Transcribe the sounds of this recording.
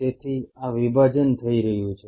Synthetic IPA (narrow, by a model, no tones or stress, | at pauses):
et̪ʰiaʋibʱad͡ʒənt̪ʰəiɾəɦjũt͡ʃʰe